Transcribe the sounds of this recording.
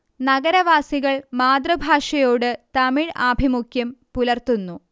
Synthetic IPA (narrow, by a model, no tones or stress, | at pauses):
nɐɡɐɾɐʋaːsiɣɐɭmaːd̪rɐbʱaːʂɐjo̞ːɽɨt̪ɐmiɻaːbʱimukʰjɐmpulɐrt̪unːu